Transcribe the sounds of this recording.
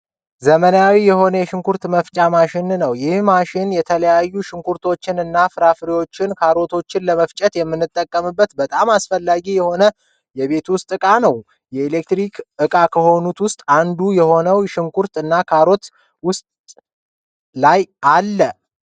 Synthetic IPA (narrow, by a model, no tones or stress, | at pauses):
zəmənawijɛho̞nəjɛʃɪŋkʰuɾt̪məft͡ʃʼamaʃɪnnəwjɪhmaʃɪnjɛt̪ʰələjajːuʃɪŋkʰuɾt̪ʰo̞t͡ʃːɪnɨnːafɨɾafɨɾiwo̞t͡ʃːɪnkʰaɾo̞t̪ʰo̞t͡ʃːɪnləməft͡ʃʼət̪jɛmːɨnːɨt̪ʼːəkʼːəmɨbːət̪bət̪ʼamasfəlːaɡijɛho̞nə | jɛβe̞t̪wʊst̪ʼɨkʼanəw | jɛelek̚t̪ɾikʰʔɨkʼakʰəho̞nut̪wʊst̪ʼand̪ujɛho̞nəwʃɪŋkʰuɾt̪ɨnːakʰaɾo̞t̪ | wʊst̪ʼ | lajalːə